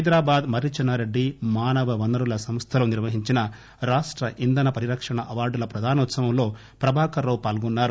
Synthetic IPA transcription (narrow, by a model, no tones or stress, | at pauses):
ɦɐjd̪ɾaːbaːd̪mɐɾit͡ʃɐnːɐɾeɖːimaːnɐʋɐʋɐnːɐɾulɐsɐmst̪ʰɐlɐniɾʋɐɦiɲt͡ʃinɐ | ɾaːʂʈɾɐʔind̪ɐnɐpɐɾiɾɐkʂɐɳɐʔɐʋaːɾɖulɐpɾɐd̪ʱaːnɐut̪sɐʋɐmlo̞ː | pɾɐbʱaːkɐɾɐwpaːlɡunːaːɾu